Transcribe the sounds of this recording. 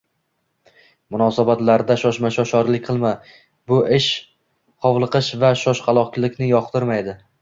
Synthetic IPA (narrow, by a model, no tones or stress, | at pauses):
mʊnɒsabat̪laɾd̪aʃɒʃmaʃɒʃɒɾlɪkʲqʰɨlˠma | bʊʔɪʃ | qʰɒvlˠɨqɨʃvaʃɒʃqʰɑlˠɒkʲlˠɪkʲnɪjɒqt̪ʰɪɾmajd̪ɪ